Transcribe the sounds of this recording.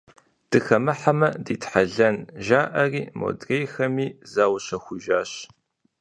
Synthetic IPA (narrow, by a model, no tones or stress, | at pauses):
d̥ɨxɐmɨħamɐdiːtħaɮɐnʒaːʔɐriːmo̰drejxɐmiːzaːwɕɐxʷʊʒaːɕ